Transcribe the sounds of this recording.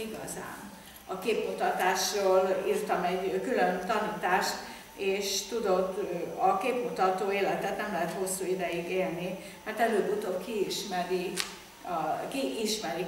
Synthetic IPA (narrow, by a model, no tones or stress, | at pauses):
iɡɒ̰za̰ːn | ɒkeːpmut̪ɒt̪aːʃroːliːrt̪ɒmɛɟkylønt̪ɒniːt̪aːʃt̪ | eːʃt̪ud̪o̞d̪ɒkeːpmut̪ɒt̪oːeːlɛt̪ɛt̪nɛmlɛɦɛt̪ho̞sːuːid̪ɛjiɡeːlni | mɛrt̪ɛløːbut̪oːkiiʃmɛɾi | kiʔiʃmɛɾi